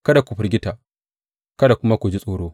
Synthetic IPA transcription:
kɐ˦da˨kʷu˨ɸɪ˨rɡʲɪ˦ta˨ | kɐ˦da˨kʷʊ˦ma˦kʷu˨d͡ʒi˦sʼoː˨ɽoː˦

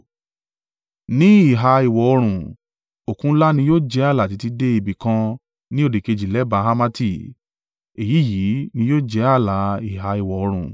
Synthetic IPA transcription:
nĩ˨˦i˦˨ɦa˧i˨wɔ˨ɔ˧ɾ̃ũ˨ | o˨kũ˦la˦nĩ˧joː˦˨d͡ʒɛ˨˦a˦˨la˨t̬i˨˧ti˧de˦i˦˨bi˨kã˧ | nĩ˦o˦˨di˨ke˧d͡ʒi˨lɛ˨˦ba˧ɦa˦ma˦ti˧ | e˨ji˨˦˨ji˨˦nĩ˧˦joː˦d͡ʒɛ˨˦a˦˨la˨˦i˨ɦa˧i˨wɔ˨ɔ˧ɾ̃ũ˨

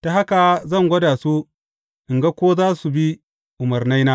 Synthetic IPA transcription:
ta˨ɦa˦ka˨zɐ˦˨ŋɡʷɐ˦daː˨su˦ | ʔɪ˨ŋɡa˦kʷoː˦zaː˦su˨bi˦ | ʔʊ˨mɐ˨rna˦jnaː˦

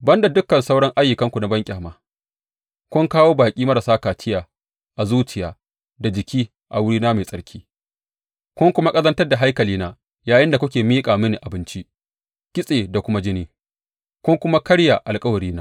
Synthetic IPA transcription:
bɐ˦nda˨dʊ˦kːɐ˨nsa˦wɽɐ˦ŋʔa˦jːʊ˨kɐ˦ŋkʷu˨na˨bɐ˦ŋkʲʼaː˨maː˨ | kʷʊ˦ŋkaː˦woː˦baː˨kʲʼiː˦mɐ˦ɾa˨saː˦kaː˨tɪ˦jaː˨ | ʔa˨zuː˦t͡ʃɪ˨jaː˨ | da˨d͡ʒɪ˨kʲʰiː˦ | ʔa˨wʊ˦ɽiː˦naː˦meː˨sʼɐ˦ɽkʲʰiː˦ | kʷʊ˦ŋkʷʊ˦ma˦kʼɐ˦zɐ˦ntɐ˦rda˨ɦa˦jkɐ˨liː˦naː˦ | jaː˨jɪ˦nda˨kʷʊ˦kʲeː˨miː˦kʼaː˨mɪ˦ni˨ʔa˨bɪ˦nt͡ʃi˦ | kʲɪ˦sʼeː˨da˨kʷʊ˦ma˦d͡ʒɪ˦niː˦ | kʷʊ˦ŋkʷʊ˦ma˦kɐ˦ɽja˨ʔa˨lkʼɐ˦wɐ˨ɽiː˦naː˦

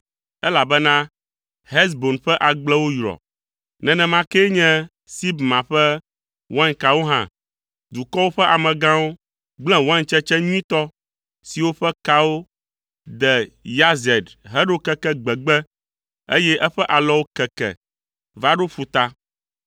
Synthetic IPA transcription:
ɛ˦la˨bɛ˦nã˦ | ɦɛ˦sbo˨nɸɛ˦ʔa˨ɡ͡blɛ˦wo˦jɾɔ̰˨ | nɛ̃˨nɛ̃˨mã˨˦kɛ˦ɲɛ̃˦ | si˦bmã˨ɸɛ˦ | wã˦ɲka˨wo˦ɦã̰˦ | d̪u˨kɔ˦wo˦ɸɛ˦ʔa˨mɛ̃˨ɡã˦wo˦ | ɡ͡blɛ̃˦wã˦ɲt͡ʃɛ˦t͡ʃɛ˦ɲĩ˦t̪ɔ˦ | si˨wo˦ɸɛ˦ka˦wo˦ | d̪ɛ˨ja˦zɛ˨dɦɛ˦ɖo˦kɛ˦kɛ˦ɡ͡bɛ˨ɡ͡bɛ˦ | ḛ˦jɛ˦ʔɛ˦ɸɛ˦ʔa˨lɔ˦wo˦kɛ˨kɛ̰˨ | va˦ɖo˦ɸu˨t̪a˦

